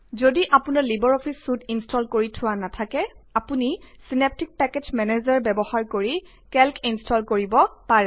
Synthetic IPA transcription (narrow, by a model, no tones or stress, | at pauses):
zodiʔapunaɹlibɔɹɔpʰisːutinstʰɔlkoɹitʰʊwanatʰakɛapunisinep̚tʰik̚pɛked͡ʒmɛnezɔɹbɛbɔxaɹkoɹi | kɛlkʰinstʰɔlkoɹibɔpaɹɛ